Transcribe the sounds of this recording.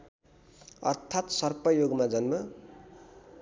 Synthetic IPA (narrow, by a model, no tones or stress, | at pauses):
ʌ̰rt̪ʰat̪sʌrpʌjoɡmad͡zʌnmʌ